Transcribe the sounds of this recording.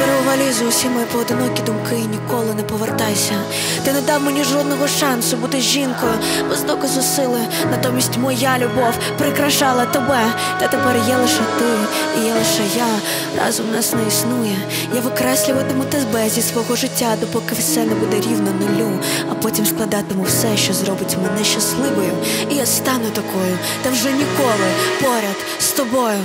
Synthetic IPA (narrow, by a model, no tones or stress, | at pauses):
pɛɾɪbʊʋalʲɪzʊwsʲimɔjpɔɔd̪ɪnɔkʲid̪ʊmkɪnʲikɔlˠɪnɛpɔʋɛrt̪ajsʲɐ | t̪ɪnɛd̪awmʊnʲiʐɔd̪̚nɔɣɔʂansʊbud̪ɪʒʲinkʊ | ʋɪzd̪ɔkɐzʊsɪlˠɪ | nat̪ɔmʲisʲtʲmɔjalʲʊbɔw | pɾɪkɾaʃalˠɐt̪ɔbɛ | t̪ɛt̪ɛpɛrjalˠɪʂɛt̪ɪ | ijalˠɪʂɛja | rɑ̰zɔmnɑsnɛisnujɛ | jaʋɪkɾɛsʲlʲʊʋɐt̪ɪmʊt̪ɪzbɛzʲisʋɔɦɔʒɪtʲːad̪ɔpɔkɪwsɛnɛbud̪ɛɾʲiwnɔnɔlʲuɐpɔtʲimsklˠɐd̪ɑt̪ɪmʊwsɛʃt͡ʃɔzrɔbɪtʲmɪnɛʃɐslˠɪʋɔjɪmijast̪ɑnʊt̪ɐkɔjʊ | t̪ɐwʒɛnʲikɔlˠɪpɔɾʲɐd̪ | st̪ɔbɔjʊ